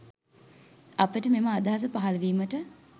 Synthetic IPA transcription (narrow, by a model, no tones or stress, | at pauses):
ɐpəʈəmeməːd̪aɦas̬əpaɦalʋiːməʈə